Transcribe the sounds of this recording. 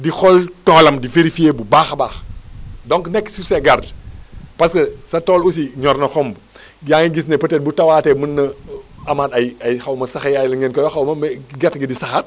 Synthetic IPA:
dixɔltɔːlɐmdifeɾifijeːbubaːxbaːxdɔŋknɛkːsusɛɡardpɐskɐsɐtɔːlusiɲɔrnɐxɔmb | jaːŋiɡis̬nɛpɐtɛt̚butɐwaːtɛmənːɐɐmaːtɐjɐjxɐwmɐsɐxɐjɐjlɐŋɡenkɔjɐxɐwmɐmɡɛtɡidisɐxɐt̚

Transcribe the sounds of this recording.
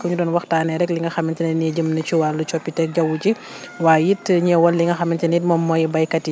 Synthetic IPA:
kɔɲudɔːnwɐxtaːnɛɾɛkliŋɡɐxɐmintɛnɛnɛɟəmnɐt͡ʃuwalut͡ʃɔpːitɛk̚ɟɐwuci | waːjitːɲɛwɐlːiŋɡɐxɐmːintɛnitmɔmːɔjɛbɐjkɐti

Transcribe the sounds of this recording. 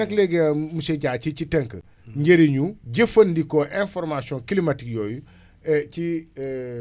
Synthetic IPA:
ɐklɛɡɛmusɛɟaːcit͡ʃitɛŋkə̰ | ɲɟeɾiɲuɟɐfɐndikɔʔɛ̃nfɔɾmasiɔ̃nkilimatikjɔːju | ɛci

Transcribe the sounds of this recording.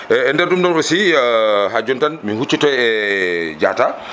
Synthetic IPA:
ɛːndɛɾɗumdɔnɔsiɦad͡ʒɔntanmihut͡ʃːitɔɛd͡ʒa̰ta

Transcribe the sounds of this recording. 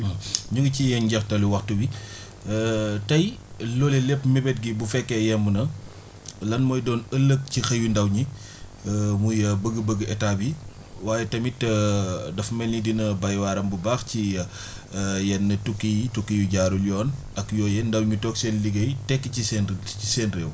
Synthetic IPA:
ɲuŋɡicijɛnɟɐxtɐluwɐxtuwi | tɐjlɔːlelɛpmibɛt̚ɡibufɛkːɛjɛmbunɐ | lɐnmɔːjdɔːnəlːək̚cixɐjundɐwɲi | mujɐbəɡəbəɡɛtaːbi | waːjɛtɐmitɐdɐfmɛlɲidinɐbɐjwaːɾɐmbubaːxciɐ | jɛnːɐtukːijitukːijuɟaːɾuljɔːn | ɐkjɔːjɛndɐwɲutɔːksɛnliɡɐjtɛkːəcisɛnisɛːnrɛːw

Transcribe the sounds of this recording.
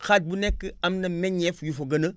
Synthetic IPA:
xat̚bunekːəamnameɲefujufoɡənə

